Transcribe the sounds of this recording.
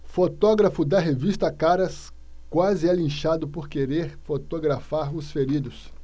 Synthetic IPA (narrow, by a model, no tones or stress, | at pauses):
fot̪ɔɡɾɐfʊd̪ɐɦevist̪ɐkaɾɐs | kwazɪɛlĩʃad̪ʊpoɾkeɾeɾfot̪oɡɾafaɾʊsfeɾid̪ʊs